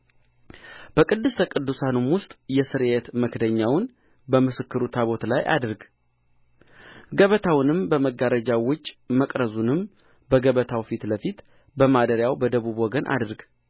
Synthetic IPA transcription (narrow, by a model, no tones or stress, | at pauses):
b̥əkʼɨd̪ːɨst̪ʰəkʼɨd̪ːusanumwʊst̪ʼjɛsɨɾet̪məkʰd̪əɲːawn | bəmɨsɨkːɨɾut̪ʰaβo̞t̪lajʔa̰d̪ɨɾɡ | ɡəβət̪ʰawnɨmbəməɡaɾəd͡ʒawʊt͡ʃʼməkʼɾəzunɨm | bəɡəβət̪ʰawfit̪ləfit̪ | bəmad̪əɾjawbəd̪əβubwɔɡənʔa̰d̪ɾɡ